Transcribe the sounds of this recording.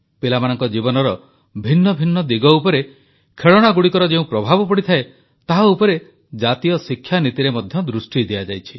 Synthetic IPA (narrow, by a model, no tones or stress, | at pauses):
pelamanɔŋkɔd͡ʒibɔnɔɾɔ | bʱinːɔbʱinːɔd̪iɡɔupɔɾe | kʰeɭɔɽ̃aɡuɽikɔɾɔd͡ʒeũpɾɔbʱabɔpɔɽit̪ʰae | t̪aɦaupɔɾe | d͡ʒat̪ijɔsikʰːjanit̪iɾemɔd̪ʱjɔd̪ɾusʈid̪iad͡ʒajt͡ʃʰi̥